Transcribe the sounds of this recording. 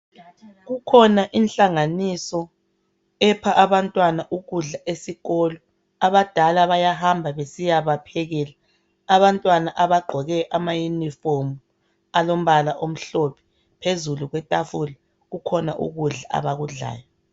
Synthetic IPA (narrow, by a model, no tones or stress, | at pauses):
ɣukʰɔnaʔinɬaŋanisɔ | ɛpʰaʔaβantʼwanaʔuɣuɮaʔesiɣɔlɔ | aβad̥ʱalaβajaɦambʱaβesijaβapʰɛɣɛlaː | βantʼwanaʔaβaɡ͡ǃʱɔɣɛʔamajunifomu | alom̩βalaʔom̩ɬopʰɛ̥ | pʰezuluɣwɛtʼafula | ɣukʰɔna̰ʔṵɣuɮaʔa̰βaɣuɮa̰ːjɔ